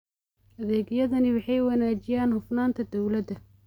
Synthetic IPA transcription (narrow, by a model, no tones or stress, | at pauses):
ʔɐðɛːɡjɐðɐnɪwɑħɑjwɑnaːt͡ʃɪjaːnhʊfnaːnt̪ʰɐd̪ɔwlɐd̪ɐ